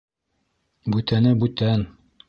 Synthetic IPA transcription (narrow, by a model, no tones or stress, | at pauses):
bʉt̪ænɘbʉt̪æn